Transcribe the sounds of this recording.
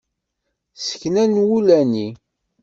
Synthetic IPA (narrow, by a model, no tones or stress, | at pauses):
sə̥çnænwulæni